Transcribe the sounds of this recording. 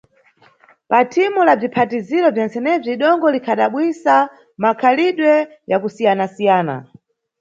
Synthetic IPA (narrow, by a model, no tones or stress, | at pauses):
patʰimulab͡ʐipʰatiziɾɔvjɛnsɛnɛb͡ʐiɗɔŋɡɔlikʰaɗaɓwisa | makʰaliɗwɛ | jakusijanasijaːna̰